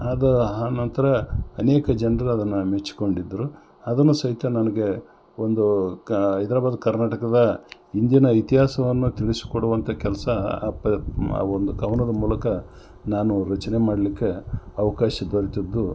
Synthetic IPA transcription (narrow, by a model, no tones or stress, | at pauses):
ad̪ɐɦaːnɐnt̪ɐɾɐɐneːkɐd͡ʒɛnɾɐɾɐd̪ɐnːumet͡ʃːi̥ko̞ɳɖid̪ːɐɾu | ɐd̪ɐnːusɐɦit̪jɐnɐnɐɡe̞ | ond̪u | ɐjt̪ɐɾaːbaːd̪ɐkɐɾnaːʈɐkɐd̪ɐ | ind̪jɐnɐit̪iɦaːsɐʋɐnːut̪iɭisi̥koɽuʋɐnt̪ʰɐkɛlɐsɐpɐ̰ond̪uɡɐwnɐd̪ɐmuːlɐkɐ | naːnuɾɐt͡ʃɐnemaːɽɐlikːe̞ɐʋɐkaːʃɐd̪oɾit̪id̪ːu